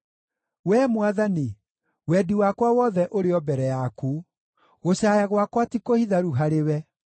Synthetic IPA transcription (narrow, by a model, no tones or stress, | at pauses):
wɛmwaðani | wɛdiwakwawɔðɛʔoɾeɔbɛɾɛjaku | ɣoɕaːjaɣwakwatikohiðaɾuɦaɾewɛ